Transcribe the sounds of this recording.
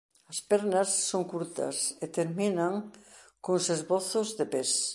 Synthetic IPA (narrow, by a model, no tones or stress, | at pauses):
ɐspɛɾnɐsːoŋkuɾt̪ɐ̰set̪eɾminaŋ | koŋsezβoθʊzðepes